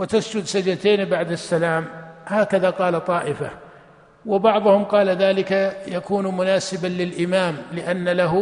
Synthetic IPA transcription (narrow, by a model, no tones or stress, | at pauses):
wɪt̪asd͡ʒʊd̪sad͡ʒat̪eːnbaʕd̪asːalaːmhaːkaðaqɑːlat̪ˤːɑːʔɪfa̰ | wɪbɑʕðˤʊhʊmqɑːlaðaːlɪkajakuːnmʊnaːsɪbalɪlʔɪmaːmlɪʔanːalaɦ